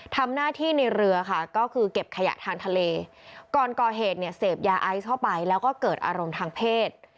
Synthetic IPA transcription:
t̪ʰa˧mnaː˥˩t̪ʰiː˥˩na˧jɾɯ˧ɐka˥˩kɔː˥˩kʰɯː˧ke˨˩p̚kʰa˧ja̰˨˩t̪ʰaː˧ŋt̪ʰa˧leː˧ | kɔː˨˩nkɔː˨˩ɦeː˨˩t̪̚ni˥˩ɐseː˨˩p̚jaː˧ʔa˦˥jt̪ʰa˥˩wpa˧jlɛː˦˥wkɔː˥˩kɤː˨˩t̪̚ʔa̰ː˧ɾo˧mt̪ʰaː˧ŋpʰeː˥˩t̪̚

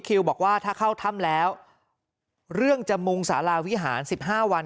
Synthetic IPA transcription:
kʰi˧wbɔː˨˩k̚waː˥˩t̪ʰaː˥˩kʰa˥˩wt̪ʰa˥˩mlɛː˦˥w | ɾɯ˥˩əŋt͡ɕa˨˩mu˧ŋsa̰ː˩˦laː˧wi˦˥ɦaː˩˦nsi˨˩p̚ɦaː˥˩wa˧n

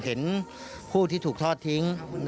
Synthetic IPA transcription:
ɦe˩˦n | pʰuː˥˩t̪ʰiː˥˩t̪ʰuː˨˩k̚t̪ʰɔː˥˩t̪ʰːi˦˥ŋn

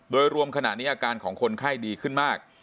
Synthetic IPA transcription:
doː˧jɾu˧əmkʰa˧na̰˨˩ʔniː˦˥ʔaː˧kaː˧nkʰɔː˩˦ŋkʰo˧nkʰaː˥˩jdiː˧kʰɯ˥˩nmaː˥˩k̚

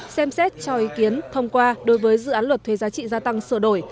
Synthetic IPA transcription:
sɛ˧msɛ˦˥t̚t͡ɕɔ˧ʔi˨˦ki˨˦ənt̪ʰə˧wŋ͡mkwaː˧ɗo˨˦jvəː˨˦jzɨ̰˧˨ʔaː˨˦nlwə˨˩t̚t̪ʰwe˨˦zaː˨˦t͡ɕḭ˧˨zaː˧t̪a˧ŋsə̰˧˩ɗo˧˩j

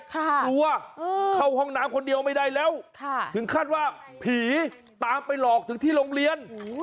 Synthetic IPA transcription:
kʰːku˧ɐʔːkʰa˥˩wɦɔ˥˩ŋnaː˦˥mkʰo˧ndi˧əwma˥˩jda˥˩jlɛː˦˥˩wkʰa˩˥˩t̪ʰɯ˩˦ŋkʰaː˥˩t̪̚waː˥˩ | pʰiː˨˩˦ | t̪aː˧mpa˧jlɔː˨˩k̚t̪ʰɯ˩˦ŋt̪ʰiː˥˩loː˧ŋli˧ən

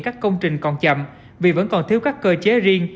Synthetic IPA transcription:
kaː˦˥kːə˧wŋ͡mt͡ɕï˨˩ŋ̟kɔ˨˩nt͡ɕə̰˧˨m | vi˨˩və̰˧˥nkɔ˨˩nt̪ʰi˧əwkaː˦˥kːəː˧t͡ɕe˨˦zi˧əŋ

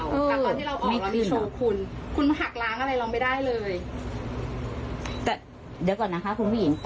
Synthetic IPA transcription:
wʔɤː˧aː˨ɔː˧t̪ʰiː˥˩ɾa˧wʔɔmː˨a˥˩˨a˧mː˧i˧˩sʰoː˧kʰu˧nkʰu˧nma˧˩ɦa˨˩k̚laː˦˥ŋʔa˧ɾa˧jlɔ˧ma˥˩jda˥˩jlɤː˧j | t̪ɛː˨˩ | di˩˦kɔː˨˩nːa˦˥kʰa˦˥kʰu˧nma˥˩˨hi˨˦n

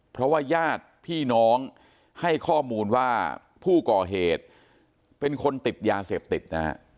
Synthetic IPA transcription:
pʰɾɔ˦˥waː˥˩jaː˥˩t̪̚pʰiː˥˩nɔː˦˥ŋ | ha˥˩jkʰɔː˥˩muː˧nwaː˥˩ | pʰuː˥˩kɔː˨˩ɦeː˨˩t̪̚ | pe˧nkʰo˧nt̪i˨˩t̪̚jaː˧seː˨˩p̚t̪i˨˩t̪̚na̰˦˥

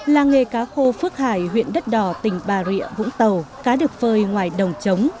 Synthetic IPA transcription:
laː˨˩ŋe˨˩kaː˨˦xo˧fɨ˦˥ək̚haː˧˩jɦwḭ˧˨ənɗə˦˥t̚ɗɔ˧˩t̪ï˨˩ŋ̟ɓaː˨˩ɾḭ˧˨əvʊ̰˧˥ŋ͡mt̪ə˨˩wkaː˨˦ɗɨ˨˩ək̚vəː˧jŋwaː˧˨˩jɗə˨˩wŋ͡mt͡ɕə˨˦wŋ͡m

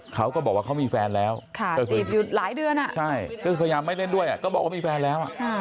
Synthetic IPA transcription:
kʰa˦˥wkɔː˥˩bɔː˨˩k̚waː˥˩kʰa˦˥wmiː˧fɛː˧nlɛː˦˥wkʰa˥˩ɔ˧˩kt͡ɕiː˨˩p̚ju˨˩t̪̚laː˩˦jdɯ˧əna˨˩ʔt͡ɕʰa˥˩jkɔ˥˩ɯː˧pʰja˧jaː˧mːa˥˩jle˥˩ndu˥˩əjʔa˨˩kɔː˥˩bɔː˨˩k̚waː˥˩miː˧fɛː˧nlɛː˦˥wʔa̰˨˩ʔʰa˩

